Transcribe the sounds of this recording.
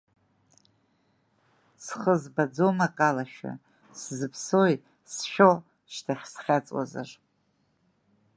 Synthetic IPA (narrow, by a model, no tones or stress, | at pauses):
sχəzbad͡zo̞makʼalaʃᶣa̰ | szɨpʰsoj | sʃʲᶣo | ʃtʰaχʲsχʲat͡sʼwa̰za̰r